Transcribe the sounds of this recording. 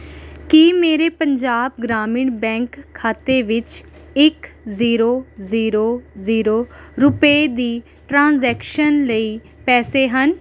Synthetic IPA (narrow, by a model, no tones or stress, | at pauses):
kiːmeːɾeːpəɲd͡ʒaːb̚ɡɾaːmɪːɳbɛ̃ːŋkʰːaːt̪eːʋɪt͡ʃ | ɪkziːɾoːziːɾoːziːɾoːɾʊpeːd̪iː | ʈɾãːnzɛːkʃənləiː | pɛːseːɦən